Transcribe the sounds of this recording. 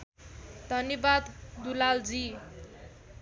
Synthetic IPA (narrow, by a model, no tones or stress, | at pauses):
d̪ʱʌnjʌbad̪d̪ulald͡zi